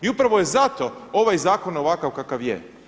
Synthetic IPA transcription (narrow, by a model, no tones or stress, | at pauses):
iupɾaʋojezat̪o̞o̞ʋajzaːko̞noʋakaʋkakaʋjḛ